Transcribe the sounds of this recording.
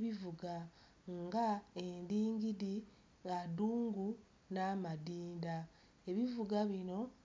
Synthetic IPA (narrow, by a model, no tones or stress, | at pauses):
βivuɡa | ŋɡae̞ndiːŋɡiɾi | ŋɡaduːŋɡu | naːmadiːnda | e̞βivuɡaβino̞